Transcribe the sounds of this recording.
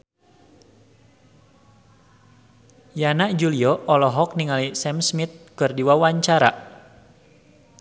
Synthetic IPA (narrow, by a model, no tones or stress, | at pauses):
janaʔd͡ʒuliɔʔɔlɔɦɔk̚niŋalisɛmsmit̪̚kɨrdiwawaɲt͡ʃaɾa̰